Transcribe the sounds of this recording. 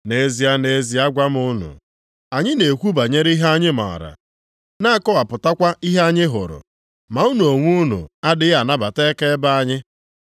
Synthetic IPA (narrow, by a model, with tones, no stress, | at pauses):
ne˨˦zi˨˦a˦ne˨˦zi˨a˦ɡʷa˦m˦ʊ˦nṵ˨ | a˨ɲɪ˦ne˨kʷu˦ba˨ɲe˦ɾi˦ɦa˦ɲɪ˦ma̰˨a̰˨ɾa̰˨ | na˦˨kɔ˦wa˨pʊ˨ta˦kʷa˦ʔi˦ɦe˦a˦ɲɪ˦ɦʊ̰˨ɾʊ̰˨ | ma˨u˦nu˨o˨ŋʷu˦nṵ˨a˦dɪ˦a˨na˦ba˨te˦ke˦ba˦a˦ɲɪ˦